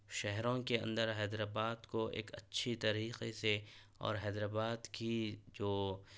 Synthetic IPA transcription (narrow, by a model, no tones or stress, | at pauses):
ʃɛɦɾõkeɐ̰̃nd̪əɾɦɛːd̪ɾaːbaːd̪koʔḛːkɐ̰tːʃʰit̪ɐɾiːqese | ɔ̰ːɾɦɛːd̪ɾaːbaːd̪kid͡ʒoː